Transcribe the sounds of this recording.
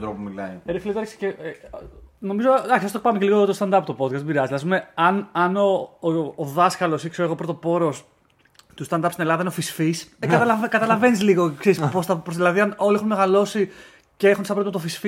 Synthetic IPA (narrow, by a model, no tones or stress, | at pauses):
ɾopomilɐiɾifilit̪ɐɾksi̥ce | no̞mizoɐçisɐst̪opɐmeceliɣot̪ost̪ɐnd̪ɐpt̪opo̞d̪kɐst̪biɾɐziilɐspumeɐnɐnoː | ðɐskɐlo̞sikseoeɣopɾot̪o̞po̞ɾo̞s | t̪ust̪ɐnd̪ɐpst̪ine̞lɐðɐineofisfiskɐɐɐkɐt̪ɐlɐve̞nizliɣokseɾispost̪ɐpɾosðilɐðiɐnoliexunmeɣɐlo̞si | ceexunsɐpɾot̪mɐt̪ofisfi